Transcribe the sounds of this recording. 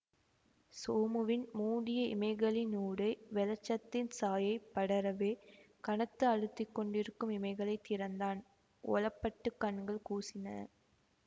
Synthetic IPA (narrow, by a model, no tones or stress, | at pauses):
soːmɯʋɪnmuːɽɪjɐɪ̰mɐɪɣɐɭɪnuːɽɐɪʋɛlɐt͡ʃːɐt̪ːɪnsaːjɐɪpːɐɽɐɾɐʋeː | kɐɳɐt̪ːɯɐɻɯt̪ːɪkːɔɳɖɪɾɯkːɯmɪmɐɪɣɐɭɐɪt̪ːɪɾɐnd̪aːn | ʔɔ̰lɐpːɐʈːɯkːɐɳɡɐɭkuːsɪnɐ̰